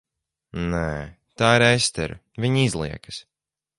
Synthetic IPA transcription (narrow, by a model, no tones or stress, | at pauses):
nɛː | t̪aːiɾɛst̪ɛ̰ɾṵ | vʲiɲizlˠiɛkɨ̥s